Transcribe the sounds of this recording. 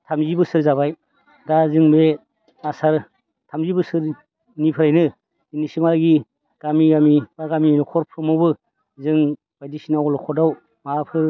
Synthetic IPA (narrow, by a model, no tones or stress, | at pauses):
tʰamzibɯsɯɾzaβaj | dazɯŋbe | asaɾ | tʰamzibɯsɯɾ | nipʰɯɾajnɯ | inisimalɡi | ɡ̥amiɡamibaɾɡaminɔkʰɔɾpʰɯmɔbɯ | zɯŋ | b̥ajdisinawlɔkʰɔɾdaw | mapʰɯɾ